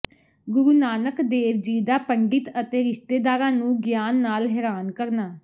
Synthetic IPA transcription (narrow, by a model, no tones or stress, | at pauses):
ɡʊɾuːnaːnəkd̪eːʋd͡ʒiːd̪aːpəɳɖɪt̪ət̪eːɾɪʃt̪eːd̪aːɾãːnũːɡjaːnːaːlɦɛːɾaːnkəɾnaː